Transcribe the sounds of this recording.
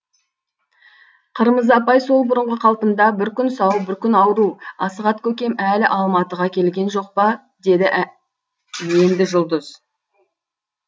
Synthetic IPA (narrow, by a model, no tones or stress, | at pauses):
qʰəɾməzɑpɑjso̞lˠbʊɾəɴʁəqʰɑlˠt̪əmd̪ɑbɪɾkʲʏnsɑwbɪɾkʲʏnɑwɾuɑsəʁɑt̪kʲʰɵkʲe̞mælɪʔɑlˠmɑt̪əʁɑkʲʰe̞lɡʲe̞nʒo̞q̚pɑ | d̪e̞d̪ɪ | je̞nd̪ɪʒʊlˠd̪əz̥